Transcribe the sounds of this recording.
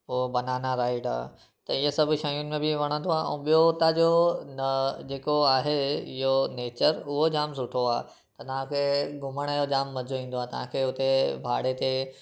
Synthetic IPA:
oobɐnaːnaɾaːɪɖa̰ː | t̪ɐɪɦesɐbʱʊʃajʊnɪ̆mẽbɪʋɐɽ̃ə̃nd̪oaːʔɛ̰̃ːɓijoʊt̪ad͡ʑond͡ʑeːkoaːɦeɪɦoneːt͡ɕəɾʊɦod͡ʑaːmsʊʈʰoaː | t̪ɐt̪ɐʋ̤ãkʰeːɡʱʊməɽ̃ɛjod͡ʑaːmːɐd͡ʑʱoĩːn̆d̪oaːet̪ɐʋ̤ãkʰeːʊt̪ebʱaːɽet̪e

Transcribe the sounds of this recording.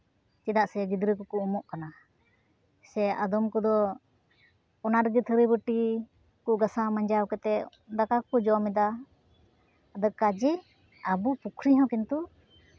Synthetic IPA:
t͡ʃɛd̪aʔsɛɡid̪ɾikɔkuumɔʔkana | sɛad̪ɔmkɔd̪ɔ | ɔnaɾɡit̪ʰəɾibəʈi | kuʔɡasamaɲd͡ʒawkɛt̪ɛʔ | d̪akakkɔd͡ʒɔmɛd̪a | d̪əkad͡ʒɛ | abupukʰɾiɦãwkint̪u

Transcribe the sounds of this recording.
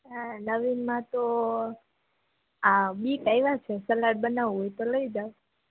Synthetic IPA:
anəʋinmãt̪o | abikajʋat͡ʃʰesəlaʈ̚bənaʋɦojt̪oləid͡ʒaw

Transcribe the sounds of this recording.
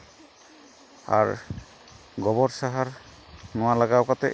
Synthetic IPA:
a̰ɾ | ɡɔbɔɾsaɦaɾ | nʊwalaɡaɔkat̪ɛ̰

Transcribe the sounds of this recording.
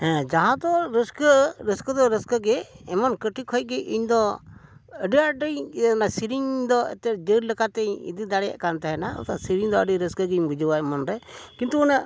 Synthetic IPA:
ɦɛ̃d͡ʒaɦãd̪ɔɾəskəɾəskəd̪ɔɾəskəɡɛɛmɔnkəʈʰikʰɔjɡɛʔiɲd̪ɔ | əɖiaɖəjnasiɾiɲd̪ɔɛ̰t̪ɛd͡ʒəɾləkat̪ɛḭd̪id̪aɽɛja̰ʔkant̪aɦɛnaṵt̪asiɾiŋd̪ɔəɖiɾəskəɡɛimbud͡ʒəwajmɔnɾɛkint̪uːna

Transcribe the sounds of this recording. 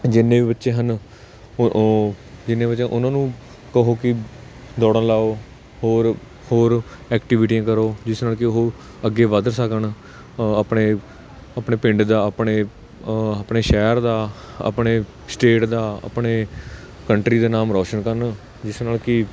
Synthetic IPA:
d͡ʒɪnːẽːiːbətːʃẽːɦən | d͡ʒɪnːẽːbətːt͡ʃẽʔʊnãːnũː | kəɦoːkɪ | d̪ɔːɽə̃laːoː | hoːɾ | hoːɾ | ɛːkʈɪʋɪʈijãːkəɾoːd͡ʒɪsnaːlkɪɦoː | əɡːeːʋəd̪ɾsəkən | əpɳeː | əpɳeːpɪ̃ɳɖd̪aːəpɳeː | əpɳeːʃɛːɾd̪aː | ə̰pɳeː | sʈeːʈd̪aːə̰pɳeː | kəɳʈɾiːd̪aːnaːmɾɔːʃənkəɾn | d͡ʒɪsnaːlkɪ

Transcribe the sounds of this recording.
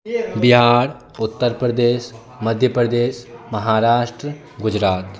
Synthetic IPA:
biɦaːɾ | ʊt̪ːəɾpɾəd̪eːʃ | mɐd̪ʱjəpɾəd̪eːʃmɐɦaːɾaːʃʈɾə | ɡʊd͡ʒɾaːt̪

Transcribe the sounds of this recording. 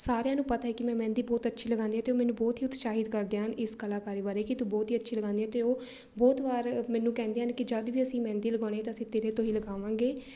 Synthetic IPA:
saːɾejãːnũːpət̪aːɛːkɪmɛ̃ːmɛ̃ːnd̪iːbɔːt̪ətːʃʰiːləɡãːnd̪iːɛ̃t̪eːoːmɛ̃ːnũːbɔːt̪ɦiːʊt̪ʃaːɦɪd̪kəɾd̪eːənɪskəlaːkaːɾiːbaːɾeːkɪt̪ũːbɔːt̪iːətːʃʰiːləɡãːnd̪ĩjɛ̃ːt̪eːoː | bɔːt̪ʋaːɾmɛ̃ːnːũːkɛ̃ːnd̪eːənkɪd͡ʒəd̪ʋiːəsĩːmɛ̃ːnd̪iːləɡaːɽ̃eːt̪aːəsĩːt̪eːɾeːt̪õːiːləɡaːʋãːŋɡeː

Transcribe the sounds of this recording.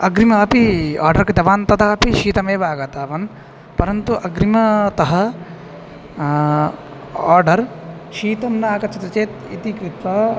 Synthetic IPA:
ɐɡɾimɐɐpia̰ːɾɖɐɾkɐt̪ɐʋaːnt̪ɐt̪ɐɦɐpiʃiːt̪ɐmeːbʱaːɡɐt̪aːʋɐn | pɐɾɐnt̪uʔɐɡɾimɐt̪ɐɦɐ | aːɾɖɐɾʃiːt̪ɐmnaːkɐt͡ʃɐt̪ɐt͡ʃeːt̪it̪ikɾit̪ʋɐ

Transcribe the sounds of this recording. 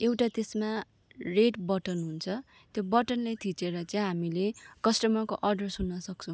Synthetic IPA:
ewʈat̪esma | reʈbʌʈʌnɦunt͡sʰʌ | t̪jobʌʈʌnlejt̪ʰit͡seɾʌt͡saĩɦamilekʌsʈʌmʌkoʔʌrɖʌrsunːʌsʌk̚t͡sʰʌ̃

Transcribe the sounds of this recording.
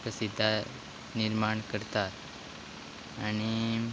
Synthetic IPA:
pəsid̪ʱːa | niɾmaɳkəɾt̪at̪ | añi

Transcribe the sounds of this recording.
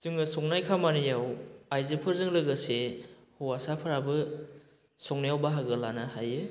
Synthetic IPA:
zɯŋɯsɔŋnajkʰamanijawajzepʰɯɾzɯŋlɯɡɯse | huwasapʰɯɾabɯ | sɔŋnajawbaɦaɡɯlanahajɯ

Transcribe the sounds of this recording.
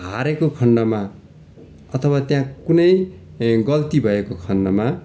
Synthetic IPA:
ɦaɾekokʰʌnɖʌma | ʌt̪ʰʌwat̪jãkunʌj | ɡʌlt̪ibʱʌekokʰʌnɖʌma

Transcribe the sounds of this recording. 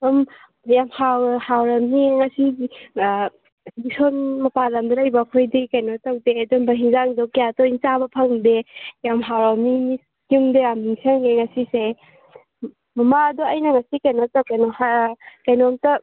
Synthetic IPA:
ɔm | jamhawhawɾɐmniŋɐsi | nisonmɐpalɐmdɐɾajbakʰojdikajnotawdeːdɔnbɐɦiŋzaŋdɔkijatɔint͡ʃabɐpʰɐŋdejamɦawɾamnimi | kuŋdejamiŋsaŋeŋɐsise | mɐmaduɐjnɐŋɐsikajnotawkajnɔhakajnɔmtɐ

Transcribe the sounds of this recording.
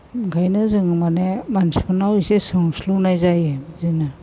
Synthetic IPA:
ɡʱajnɯzɯŋmanemanspʰɯnawujsesɯŋslunajzajezina

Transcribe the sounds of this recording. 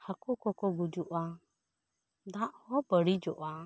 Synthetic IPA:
hakɔkɔkɔɡud͡ʒuʔa | d̪aʔhɔbəɽid͡ʒɔʔa

